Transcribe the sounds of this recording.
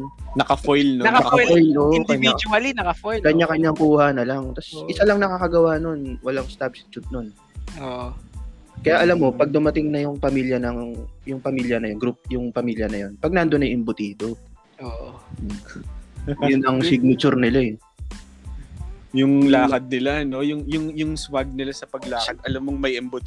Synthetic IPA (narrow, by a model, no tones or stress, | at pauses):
nɐkɐfojlnɐɐfojloːʔkɐɲaɐlinɐkɐfojkɐɲːakɐɲːaŋkuːhanɐlɐŋt̪ɐsʔɪsalɐŋnɐkakɐɡɐwano̞nwɐlaŋst̪apsɪ̥t͡ʃʊt̪̚no̞n | o | kɐjaʔɐlamːo̞pɐɡ̚d̪ʊmɐt̪ɪŋnɐjʊŋpɐmiːljɐnɐŋŋjʊŋpɐmiːljɐnɐjonɡɾup̚jʊŋpɐmiːljɐnɐjo̞npɐɡ̚nand̪onɐjʔɪmbʊt̪iːt̪o | oʔ | jʊnʔɐŋsɪɡ̚nɐt͡ʃʊɾnɪla | jʊŋlaːkɐd̪̚nɪlano̞jʊŋjʊŋjʊŋswaɡ̚nɪlasɐpɐɡlaːkɐd̪̚ɐlamːoŋmɐjʔɪmbʊt̪